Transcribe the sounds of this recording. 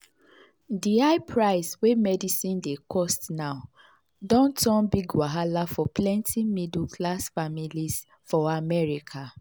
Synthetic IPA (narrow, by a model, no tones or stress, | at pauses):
diaɪpʰɹaɪswemɛdisĩndekʰɔstnaʊ | dɔ̃ntɔ̃nbiɡwaɦalafɔplɛ̃ntʰimidlkʰlasfamilis | fɔamɛɹikʰa